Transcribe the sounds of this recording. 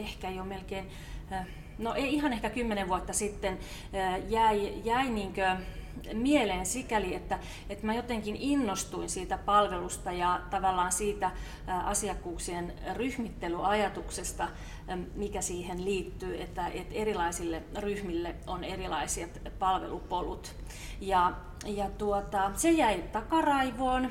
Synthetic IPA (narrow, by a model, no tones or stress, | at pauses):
ehkæjomelkeːn | noʔeihɑnehkækymːeneʋʋuot̪ːɑsit̪ːenː | jæijæiniːŋkø | mieleːnsikæliet̪ːæ | et̪mæjot̪eŋkininːost̪uinsiːt̪æpɑlʋelust̪ɑjɑt̪ɑʋɑlːɑːnsiːt̪æ | ʔɑ̰siɑkːuːksienryhmit̪ːelyɑjɑt̪uksest̪ɑ | mikæsiːhenliːt̪ːyːet̪ːæet̪erilɑisilːeryhmilːeonerilɑisiɑt̪pɑlʋḛlupolut̪ | jɑ | jɑt̪uot̪ɑsejæit̪ɑkɑrɑiʋoːn